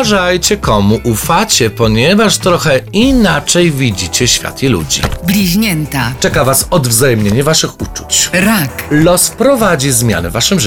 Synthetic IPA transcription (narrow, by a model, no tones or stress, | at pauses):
ʐajt͡ɕɛkɔmuʔufat͡ɕɛpɔɲɛvaʂt̪ɾɔxɛinat͡ʂɛjvʲid͡ʑit͡ɕɛɕfʲja̰t̪ilṵd͡ʑḭblʲiʑɲɛnt̪at͡ʂɛkavasɔd̪vzajɛmɲeɲɛvaʂɘxut͡ʂu̥t͡ɕɾaklɔspɾɔvad͡ʑizmʲja̰nɛ̰vaʂɨmʐ